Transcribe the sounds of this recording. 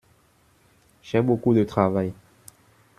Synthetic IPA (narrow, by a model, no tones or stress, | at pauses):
ʒɛbokud̪ət̪χavaj